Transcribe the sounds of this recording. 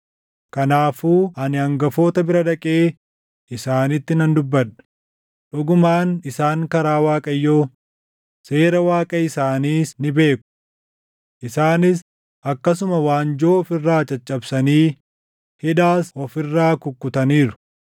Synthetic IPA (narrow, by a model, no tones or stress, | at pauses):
kɐnaːfuːʔɐnɪɐŋɡɐfo̞ːt̪ɐbɪɾɐᶑɐkʼeː | ɪsaːnɪt̪ːɪnɐnd̪ʊbːɐᶑɐ̥ | ᶑʊɡʊmaːnɪsaːŋkɐɾaːwaːkʼɐjːoː | se̞ːɾɐwaːkʼɐɪsaːniːsnɪbe̞ːkːʊ̥ | ʔɪsaːnɪs | ʔɐkːɐsʊmɐwaːnd͡ʒo̞ːɔfɪrːaːt͡ʃʼɐt͡ʃʼːɐbsɐniː | hɪᶑaːsɔfɪrːaːkʊkːʊt̪ɐniːɾʊ̥